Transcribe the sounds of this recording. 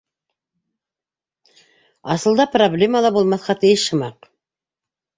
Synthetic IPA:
ɑsəlˠd̪ɑproblʲe̞malˠɑbolˠmɑθqɑt̪ʰijɪsʃəmɑq

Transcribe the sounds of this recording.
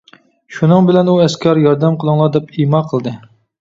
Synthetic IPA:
ʃunɨŋbɪlɛnuɛskʲʰɑɾjɑɾd̪ɛmqʰəlˠɨŋlˠɑd̪ɛpimɑqʰəlˠd̪ɨ

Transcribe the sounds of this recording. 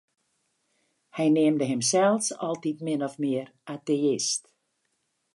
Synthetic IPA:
hɛjneːmdəɦɪmsɛlˠsɔlˠtitmɪnɔfmɪərateɪst

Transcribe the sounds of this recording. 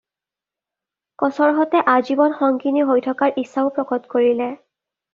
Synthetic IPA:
kɔsɔɹɦɔtɛʔazibɔnxɔŋkiniɦojtʰɔkaɹʔisːaʊpɹɔkɔtkoɹilɛ

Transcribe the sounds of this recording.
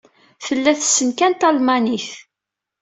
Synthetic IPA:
θəlːæθsːənkænt̪ɑlmɑniθ

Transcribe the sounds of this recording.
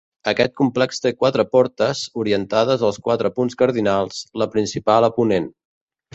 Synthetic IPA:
əkɛt̪̚kumplɛkst̪ekwat̪ɾəpɔɾt̪əzuɾiənt̪aðəzəlˠskwat̪ɾəpunskəɾðinalˠz̥ləpɾinsipaləpunen

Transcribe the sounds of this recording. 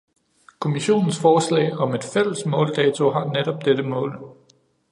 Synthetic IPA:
kʰo̝miɕo̝̰ːnn̩sfɒːslɛ̰ɪɒ̽me̝d̥fel̰əsmɔ̰̽ːld̥ɛːt͡sʰo̝ɦɑ̈neɾ̥ɒ̽b̥̚d̥ed̥əmɔ̰̽ːl

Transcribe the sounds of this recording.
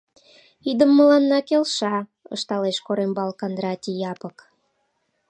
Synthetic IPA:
id̪əmːəlɑnːɑkelʃɑ | ə̰ʃt̪ɑleʃkoɾembɑlkɑnd̪ɾɑt̪ʲijɑpək

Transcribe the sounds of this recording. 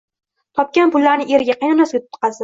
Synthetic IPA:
t̪ʰɒp̚kʲanpʊlːaɾnɪʔe̞ɾɪɡʲaqʰɑjnanasʊt̪̚ʰːt̪̚qɑzd̪ɪ

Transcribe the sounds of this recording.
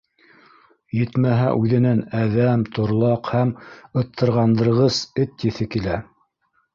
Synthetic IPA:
jɘt̪mæɦæ̰ʔʉðɘ̆nænæðæmt̪ʰŏɾlˠɑqhæmɤ̆t̪ʰːɤ̆ɾʁɑnd̪ɤ̆ɾʁɤsɘt̪jɘ̆θɘkilæ

